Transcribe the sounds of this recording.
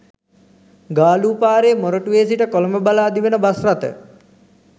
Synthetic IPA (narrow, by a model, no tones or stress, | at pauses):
ɡaːluːpaːɾeːmoɾəʈuʋeːsiʈəkoloməbalaːd̪iʋenəbasrat̪ə̰